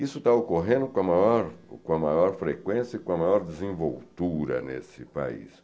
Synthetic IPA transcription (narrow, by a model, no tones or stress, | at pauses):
isʊt̪aokoɦẽnd̪ʊkõɐmajɔɾkõɐmajɔɾfɾekwẽsjɐikõɐmajɔɾd̪ezẽvo̰wtt̪uɾɐ̰nḛsɪpa̰ḭs